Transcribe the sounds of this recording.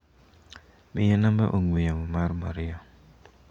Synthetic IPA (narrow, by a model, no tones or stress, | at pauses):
mijanambaʔuŋujamumaɾma̰ɾia